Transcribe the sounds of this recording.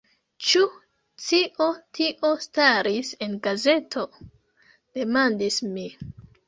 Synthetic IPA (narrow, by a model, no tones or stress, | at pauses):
t͡ʃu | t͡siʔo̞tʰiʔo̞staɾise̞nɡaze̞tʰo̞ | d̥e̞mandismi